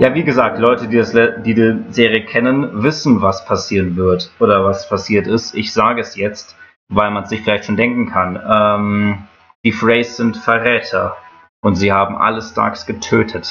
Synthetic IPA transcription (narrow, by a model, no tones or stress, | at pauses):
jaːviːɡəzaːk̚tlɔʏtədiːdasd̥iːdiːzeːʁiəkʰɛnənvɪsn̩vaspʰasiːʁənvɪɐtʔoːɾɐvaspʰasiːɐtɪstɪçz̥aːɡəɛsjɛt͡st | vaɪlmansz̥ɪçfɪlaɪçtʃoːndɛŋkŋ̩kʰanʔɛːm | d̥iːfʁɛɪsz̥ɪntfɛɐʁɛːtʰɐ | ʔʊntz̥iːhaːbm̩ʔa̰ləstʰa̰ːksɡ̥ətʰøːtʰət